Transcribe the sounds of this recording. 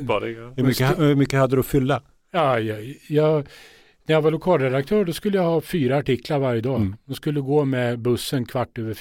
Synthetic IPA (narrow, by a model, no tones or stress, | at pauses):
hɵmʏkːəhɵmʏkːəhad̪ːəd̪ɔfʏlːa | ɑjjɑː | næɾjavalʊkʰɑːlɾɛd̪ak̚t̪ʰœːɖɔskɵlːəjahɑːfyːɾaːʈɪkːlaɾvaɾjəd̪ɑːd̪ɔmskɵlːəɡoːmɛbɵsːənkʰvaʈːøːvəɾ